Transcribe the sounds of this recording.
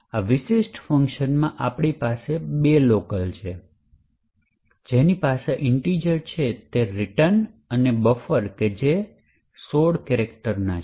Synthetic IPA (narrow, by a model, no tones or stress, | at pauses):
aʋɪʃeʃʈfəŋkʃənmãʔapɳ̃ipasebelokəlt͡ʃʰe | d͡ʒenipaseʔɪɳʈɾid͡ʒəɾt͡ʃʰet̪eɾɪʈən | ənebəfəɾked͡ʒe | soɽkɛɾek̚ʈəɾna